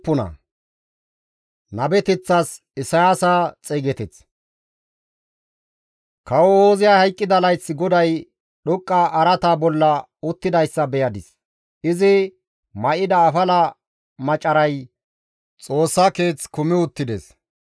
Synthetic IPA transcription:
pːʊnɐ̰ | nɐbɛt̪ɛt͡sːɐs | ɪsɐjaːsaːt͡sʼeːɡɛt̪ɛt͡s | kɐwɔoːzɪjaːhɐjkʼːɪd̪ɐlɐjsːɪɡɔd̪ɐj | ɗʊkʼːaʔɐɾɐt̪aːbɔlːɐ | ʊt̪ːɪd̪ɐjsːɐbɛjɐd̪ɪs | ɪzɪ | mɐʔɪd̪ɐːfɐlɐ | mɐt͡ʃʼːɐɾɐj | t͡sʼo̞ːsːake̞ːt͡skʊmɪʊt̪ːɪd̪ḛs

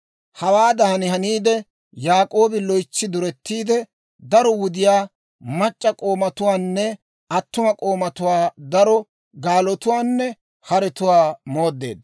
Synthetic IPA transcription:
hɐwaːd̪ɐhɐnɪɦɐniːd̪ɛ | jaːkʼo̞ːbɪlɔjt͡ʃːɪd̪ʊɾɛt̪ːiːd̪ɛ | d̪ɐɾɔwʊd̪ɪjaː | mɐt͡ʃʼːɐkʼo̞ːmɐt̪ʊwaːnːɛ | ɐt̪ːʊmɐkʼo̞ːmɐt̪ʊwaːd̪ɐɾɔ | ɡaːlɔt̪ʊwaːnːɛ | hɐɾɛt̪ʊwaːmo̞ːd̪ːe̞̰ːd̪ɐ

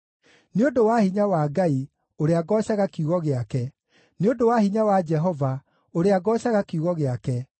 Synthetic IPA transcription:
neodowahiɲawaːɡai | oɾeaɡɔːɕaɣakuɣɔɣeakɛ | neodowahiɲawad͡ʒɛɦɔva | oɾeaɡɔːɕaɣakeuɣɔɣeakɛ

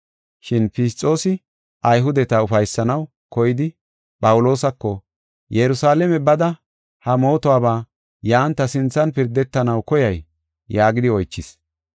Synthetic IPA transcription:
ʃɪnpɪst͡sʼːo̞ːsɪ | ʔɐjɦʊd̪ɛt̪ɐʊfɐjsːɐnɐw | kɔjɪd̪ɪ | pʼɐwʊlo̞ːsɐkːɔ | jɛɾʊsaːlɛmɛbɐd̪ɐ | hɐmo̞ːt̪ɔaːbaː | jaːnt̪ːɐsɪnt͡sːɐnpɪɾd̪ɛt̪ːɐnɐwkɔjɐjː | aːɡɪd̪ɪɔjt͡ʃːɪs

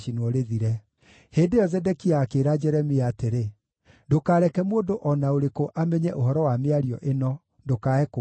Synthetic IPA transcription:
ʃinɔɾeðiɾɛ | heːndeɔzɛdɛkiaːkeɾad͡ʑɛɾɛmeateɾe | ndokaːɾɛkɛmondoʔɔnaoɾekoʔamɛɲɛʔoɦɔɾɔwameaɾiɔʔenɔ | dokaɛko

